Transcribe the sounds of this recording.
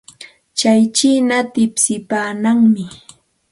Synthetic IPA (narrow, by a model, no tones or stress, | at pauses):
t͡ʃajt͡ʃiːnat̪ɪpsɪpaːnaŋmɪ